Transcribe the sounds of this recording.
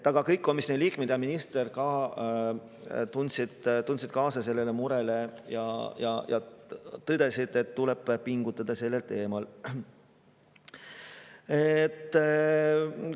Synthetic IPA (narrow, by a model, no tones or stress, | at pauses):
ɑɡ̥ɑkɤjkːˑomisneliːkmed̪eɑminist̪erkɑː | t̪unsid̪̥t̪unsid̪̚kɑːsɑse̞lːe̞lemuɾe̞le̞jɑjɑ̰jɑ̰t̪ɤd̪e̞sid̪̥e̞t̪ːule̞b̥pːiŋɡ̥ut̪ːˑɑd̪̥ɑse̞lːe̞lt̪e̞ːmɑl | et̪ˑː